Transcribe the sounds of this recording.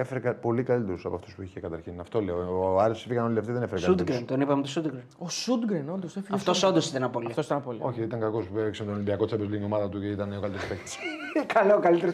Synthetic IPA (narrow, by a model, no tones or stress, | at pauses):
efeɾekɐpo̞likɐlit̪eɾusɐpoɐft̪u̥spuiçekɐt̪ɐɾçinɐft̪o̞leoɐɾisosifiɣɐnolileft̪iðenefeɾekɐud̪ɡɾent̪onipɐmet̪osud̪ɡɾenosud̪ɡɾenond̪osefɐft̪osond̪osit̪ɐnɐpoliɐt̪osit̪ɐnɐpolio̞çiit̪ɐŋkɐko̞spueksemt̪olimbiɐkot͡sebolinio̞mɐðɐt̪uceit̪ɐneokɐlit̪eɾspekt̪i̥skʰɐlokɐlit̪eɾo